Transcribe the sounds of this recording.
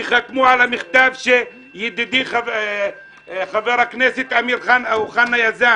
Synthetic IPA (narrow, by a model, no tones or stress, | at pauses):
xakmuʕalamɪxt̪aːvʃe | jɪd̪ɪd̪ixa | xaveɾaknesɪt̪ʕamiɾxanauxanːajaza